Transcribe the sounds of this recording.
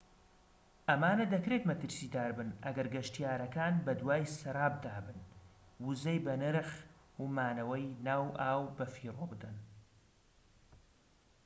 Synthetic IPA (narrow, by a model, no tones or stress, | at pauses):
ʔɐmaːnɐd̪ɐkɾet̪mɐt̪ɨɾsiːd̪aːɾbɨnɐ̰ɡɐɾɡɐʃt̪ijaːɾɐkaːnbɐd̪waːjsɐɾˤaːb̚d̪aːbɨn | wuzɐjbɐnɨɾɨχ | umaːnɐwɐjnaːwʔaːwbɐfiːroːbɨd̪ɐn